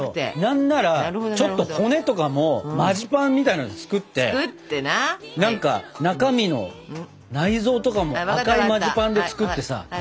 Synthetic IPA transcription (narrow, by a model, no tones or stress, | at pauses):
onãnːaɾat͡ɕo̞t̪ːo̞kʰo̞ne̞t̪o̞kamo̞maʑipãmːʲit̪ainod̪it͡sɨ̥kɯ̟t̪ːe̞̰ | nãŋka̰nakamʲino̞̰ | naizo̞ːt̪o̞kamo̞akaɾɯ̟maʑipãnd̪e̞t͡sɨ̥kɯ̟t̪ːe̞sa̰